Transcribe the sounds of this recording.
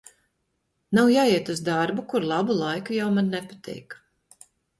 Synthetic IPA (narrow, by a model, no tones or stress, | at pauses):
nawjaːiɛt̪uzd̪aɾbukuɾlˠabulˠajkujawmanːɛpat̪ʰɛ̰jk